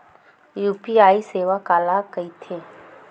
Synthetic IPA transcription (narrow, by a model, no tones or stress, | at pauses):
juːpiaːiseːʋakaːlakəit̪ʰeː